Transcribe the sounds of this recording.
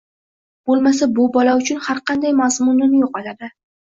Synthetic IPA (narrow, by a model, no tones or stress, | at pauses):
b̥olˠmas̬abʊbɒlaʊt͡ʃʰʊnhaɾqʰɑnd̪ajmazmʊnːɪnjoqɒlad̪ɪ